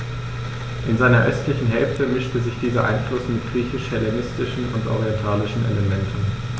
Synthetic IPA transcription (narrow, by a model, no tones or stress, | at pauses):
ʔɪnzaɪnɐʔœstlɪçn̩ɦɛlftəmɪʃtəzɪçd̥iːzɐʔa̰ɪnflʊsmɪt̚ɡ̥ʁiːçɪʃhɛlemɪstɪʃn̩ʊ̰ntʔo̰ʁiɛntʰaːlɪʃn̩ʔḛləmɛntn̩